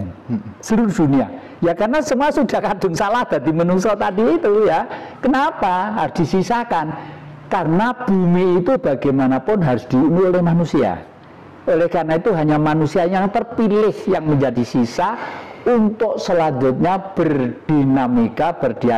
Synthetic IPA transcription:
səluɾʊhd̥unia̰ | jakarnasəmuasudahkad̥ʊ̤ŋsalahd̪̥a̤d̪imənuŋsɔt̪adiːt̪ujakənapaɦaɾʊsd̥isisakan | karnab̥umiːt̪ub̥aɡajmanapʊnɦaɾʊsd̪̥iunuolɛhmanusia̰ | olɛhkarnait̪uɦaɲamanusiajaŋt̪ərpilɪhjaŋməɲd͡ʒadisisaunt̪ʊk̚səlaɲd͡ʒʊt̪̚ɲab̥ərd̥inamikab̥ərd̥ia

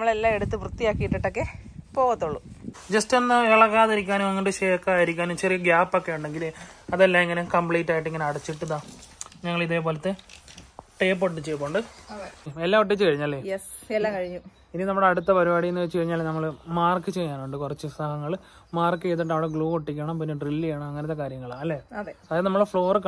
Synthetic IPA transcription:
nmːɐɭelːaːeɽut̪ːɨprut̪ːijaːkːijiʈːiʈːokːepo̞ːɣɐt̪ːuɭːud͡ʑɐstenːɨeɭɐɣaːðiɾikʲːaːnumeŋːɐʈːeɕeːkːaːðiɾikʲːaːnumt͡ɕerijɐɡjaːpːokːe̞uɳɖe̞ŋɡilɐðelːaːmeŋːɐnekɐmbɭeːʈːaːjiʈːeŋːɐneɐɽɐt͡ɕːiʈːɐðaːɲɐŋːɐɭiðe̞ːp̬o̞ːlɐt̪ːe | ʈeːp̬ːoʈ̬ːɨt͡ɕejːɐpːoːɳɖɨɐeelːaːoʈ̬ːit͡ɕːɨkɐɻiɲːaːlːeːjeslːakɐɻiɲːu | ininɐmːuɽe̞ɐɽut̪ːɐpɐɾibaːɽijenːɨʋet͡ɕːɨkɐɻiɲːaːlːenɐmːɐɭmaːrkːɨt͡ɕe̞jːaːnuɳɖɨkurɐt͡ɕːɨisahɐŋːɐɭ | maːrkːɨet̪ːiʈːɐʋiɽeɡɭuːoʈːikʲːɐɳɐmpinːeɖrilːijaːɳɐmɐŋːɐnɐt̪ːe̞kaːɾjɐŋːɐɭaːɐlːeːɐðeɐðajðnɐmːɐɭfɭo̞ːrɨk

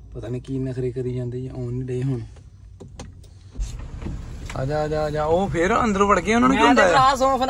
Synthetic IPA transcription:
pət̪aːnẽːkiːnə̃kʰɾeːkəɾiːd͡ʒãːnd̪eːjʔõːniːɖeːɦoːneː | a̰d͡ʒaːd͡ʒaːd͡ʒaːoːpʰɪɾə̰nd̪əɾːʋəɽkeːʊnənkɪ̃naːasõːpʰ

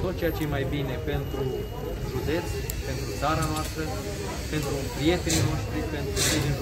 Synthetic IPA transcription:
t̪o̞t̪̚t͡ʃejat͡ʃeemajbine̞pe̞nt̪ɾu | ʒud̪e̞t̪s | pe̞nt̪ɾut̪saɾanoast̪ɾə | pe̞nt̪ɾupɾije̞t̪e̞nino̞ʃt̪ɾipe̞nt̪ɾusiʒen

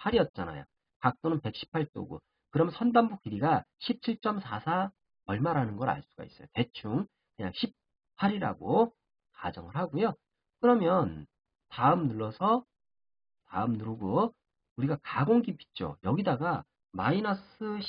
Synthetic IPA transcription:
pʰaɾiʌt̚t͡ɕ͈ana̰jo̰ | kak̚t͈onɯnpe̞k̚ɕ͈ʰi̥pʰaɭt͈o̰ɡo̰ | kɯɾʌmjʌnsʰʌndambuk͈iɾiɡaɕʰip̚t͡ɕʰiɭt͡ɕ͈ʌmsʰasʰa | ʌɭmaɾanɯnɡʌɾa̰ɭs͈u̥ɡa̰is͈ʌ̰jote̞t͡ɕʰuŋ | kɯɲa̰ŋɕʰip̚ | pʰaɾiɾa̰ɡo | kad͡ʑʌŋɯɭɦhaɡojo | kɯɾʌmjʌn | taɯmnuɭːʌsʰʌ | taɯmnuɾɡo | uɾiɡakaɡoŋɡipi̥t̚t͡ɕ͈o̰jʌɡidaɡa | mainʌs͈ɯɕ

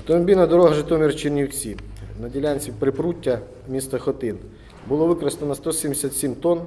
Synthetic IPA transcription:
t̪ɔmbʲinɐd̪ɔɾɔɦɐʒɪt̪ɔmʲirt͡ʃinʲiwt͡sʲinɐdʲilʲanʲt͡sʲipɾɪpɾutʲːɐ | mʲist̪ɐxɔt̪ɪn | bʊlˠɔʋɪkɾɐst̪ɐnɐst̪ɔsʲimd̪esʲat̪sʲimt̪ɔn

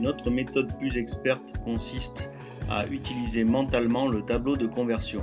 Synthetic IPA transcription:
nɔt̪χəmet̪ɔd̪plyzɛkspɛʁt̪kɔ̃sist̪ | a̰ʔyt̪ilizemɑ̃t̪almɑ̃lət̪ablod̪əkɔ̃vɛʁsjɔ̃

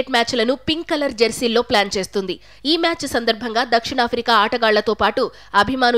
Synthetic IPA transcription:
ʈmʲaːt͡ʃlɐnupiŋɡkɐlɐɾd͡ʒɐɾsilːo̞ːplaːnt͡ʃe̞ːst̪und̪i | iːmjaːt͡ʃsɐnd̪ɐɾbʱɐŋɡaːd̪ɐkʂiɳaːpʰɾikaːaːʈɐɡaːɭːɐt̪o̞ːpaːʈu | ɐbʱimaːn

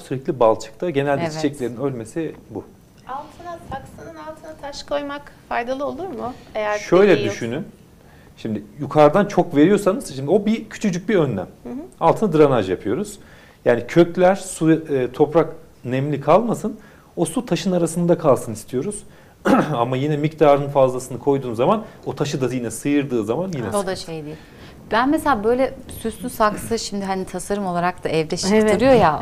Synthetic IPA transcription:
syɾɛclʲibalˠt͡ʃʰɯ̥k̚t̪ʰaɟe̞nælʲd̪ɛt͡ʃʰt͡ʃʰɛclʲe̞ɾinø̞lʲme̞sibu | alˠt̪ʰɯnat̪ʰaksɯnɯnalˠt̪ʰɯnat̪ʰaʃkʰojmakfajd̪alˠɯo̞lˠuɾmʊejæʃø̞jlʲɛd̪yʃynyn | ʃimd̪ɪjukʰaɾd̪ant͡ʃʰo̞kve̞ɾijo̞sanɯz̥ʃimd̪io̞bicʰy̥t͡ʃʰyd͡ʒyc̚biø̞nːæ̰malˠt̪ʰɯnad̪ɯɾanad͡ʒjapʰɯjo̞ɾuz̥ | jaːnicʰø̞clʲæɾ̥sut̪ʰo̞pɾak | nɛmlʲikʰalˠmasɯn | o̞sut̪ʰaʃɯnaɾasɯnd̪akʰalˠsɯnist̪ʰijo̞ɾuz̥ | amajinɛmict̪ʰaːɾɯnfazlˠasɯnɯkʰo̞jd̪uːnzamanot̪ʰaʃɯd̪ajinɛsɯjɯɾd̪ɯːzamanjinɛd̪aʃejd̪i | bænmeselʲaːbø̞jlʲɛsyt̪ysaksɯʃimd̪ɪɦanit̪ʰasaɾɯmo̞lˠaɾak̚t̪aʔɛvd̪ɛʃɯɾɯjo̞ja

